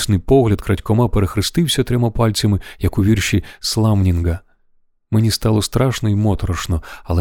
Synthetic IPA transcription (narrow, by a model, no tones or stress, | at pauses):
snɪjpɔɦlʲɐd̪kɾɐtʲkɔmapeɾexɾɪst̪ɪwsʲɐt̪ɾʲɛmapalʲt͡sʲɐmɪjɐkʊʋʲirʃislˠamnʲinɡɐ | menʲist̪ɑlˠɔst̪ɾɑʃnɔimɔt̪ɔɾɔʃnɔɐlˠɛ